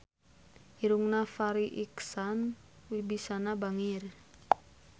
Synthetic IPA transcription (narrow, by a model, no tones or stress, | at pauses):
iɾuŋnafaɾiʔiksanwibisanabaŋir